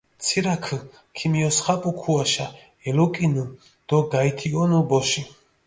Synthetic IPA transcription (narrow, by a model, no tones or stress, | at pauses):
t̪sʰiɾakʰə | kʰimiɔsχapʼukʰuaʃa | ɛlɔkʼinu | d̪̥ɔɡait̪ʰiɔnubɔʃi